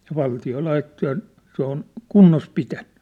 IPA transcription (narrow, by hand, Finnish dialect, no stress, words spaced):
jɑ ʋɑltio lɑitːo jɑ se on kunːos pitæn̥ːẙ